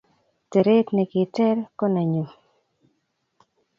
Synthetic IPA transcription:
tɛ˨ɾe˦tne˨kɪ˨tɛ˦ɾkɔ˦na˨ɲu˨

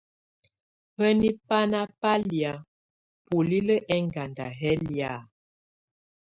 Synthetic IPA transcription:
hə˦ni˦pa˦na˦pa˦lja˨ | pu˨li˦lə˦ʔɛ˦ŋɡa˨nda̰˨ɦɛ˦lja˨

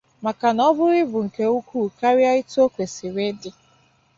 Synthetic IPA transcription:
ma˨ka˨nɔ˦bʊ˦ɾɪ˦bʊ˨ŋ̩˨ke˦u˦ku˦˨ka˦ɾja˦i˦to˦kʷe˨si˨ɾe˦dɪ˦

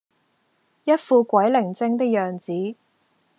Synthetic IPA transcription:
jɐ˥t̚fuː˧kʷɐ˨˥jlɪ˨˩ŋt͡sɪ˥ŋt̪ɪ˥k̚jœː˨˩ŋt͡siː˨˥

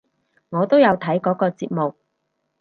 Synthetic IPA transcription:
ŋɔː˨˧t̪o˥wjɐ˨˧wt̪ʰɐ˨˥jkɔː˨˥kɔː˧t͡siː˧p̚mo˨k̚

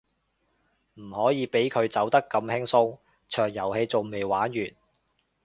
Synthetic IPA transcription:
m̩˨˩hɔː˨˥jiː˨˧pe˨˥jkʰɵ˨˧ɥt͡sɐ˨˥wt̪ɐ˥kːɐ˧mhɪ˥ŋsʊ˥ŋ | t͡ʃʰœː˨˩ŋjɐ˨˩whe˧jt͡so˨wme˨jwaː˨˥nɥyː˨˩n

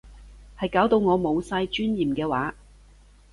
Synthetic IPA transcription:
hɐ˨jkaː˨˥wt̪o˧wŋɔː˨˧mo˨˧wsaː˧jt͡ʃyː˥njiː˨˩mkɛː˧wa̰ː˨˥

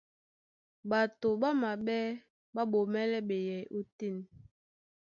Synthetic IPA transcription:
ɓa˨to˨ɓa˦ma˨ɓɛ˦ | ɓa˦ɓo˨mɛ˦lɛ˦ɓe˨jɛ˨jo˦ti˦˨n

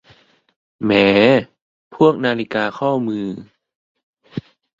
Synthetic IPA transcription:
mɛː˩˦ | pʰu˥˩ək̚naː˧li˦˧kaː˧kʰɔː˥˩mɯː˧

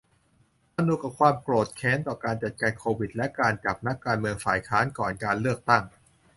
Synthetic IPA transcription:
ʔa˧nuː˧ka˨˩p̚kʰwaː˧mkloː˨˩t̪̚kʰɛː˦˥nt̪ɔː˨˩kaː˧nt͡ɕa˨˩t̪̚kaː˧nkʰoː˧wi˨˩t̪̚lɛ˦˥kaː˧nt͡ɕa˨˩p̚na˦˥kːaː˧nmɯ˧əŋfaː˨˩jkʰaː˦˥nkɔː˨˩nkaː˧nlɯ˥˩ək̚t̪a˥˩ŋ

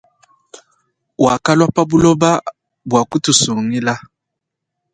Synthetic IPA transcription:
wa˨ka˦lwa˦pa˦bu˦lɔ˦ba˦ | bwa˨ku˦tu˨su˨ŋi˦la˦

